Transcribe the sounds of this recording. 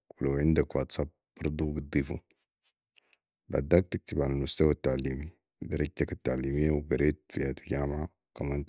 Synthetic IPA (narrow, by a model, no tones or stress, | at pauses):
wilawʕɪnd̪akwaːt̪sab̚ | b̥ɑɾˤd̪ˤubit̪̚d̪ˤiːfṵ | baʕd̪aːk̚t̪ik̚t̪ibʕalalmʊst̪awat̪ːaʕliːmi | d̪ɑɾˤɑɟ̚t̪akat̪ːaʕliːmijːawɡɑɾeːt̪̚fijat̪ɟaːmʕa | kamaːnt̪